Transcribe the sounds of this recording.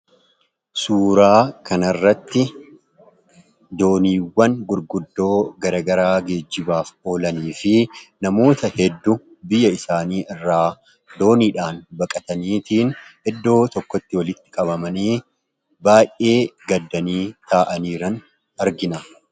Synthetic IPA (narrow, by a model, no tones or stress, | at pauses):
suːɾaːkɐnɐrːɐt̪ːɪ | d̪o̞ːniːwːɐnɡʊɾɡʊd̪ːo̞ːɡɐɾɐɡɐɾaːɡe̞ːd͡ʒːɪbaːfo̞ːlɐniːfɪnɐmo̞ːt̪ɐhɛd̪ːʊ | bɪjːɐɪsaːniːɪrːaː | d̪o̞ːniːᶑaːnbɐkʼɐt̪ɐniːt̪iːnɛd̪ːo̞ːt̪ɔkːɔt̪ːɪwɐlɪt̪ːɪ̥kʼɐβɐmɐniː | baːjʔʔe̞ːɡɐd̪ːɐniːt̪ʰaːʔɐniːɾɐn | ɐɾɡɪnɐ